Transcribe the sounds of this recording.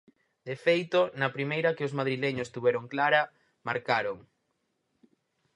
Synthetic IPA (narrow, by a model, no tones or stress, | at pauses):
d̪efejt̪onɐpɾimejɾɐkeozmaðɾileɲost̪uβɛɾoŋklaɾɐ | ma̰ɾkaɾoŋ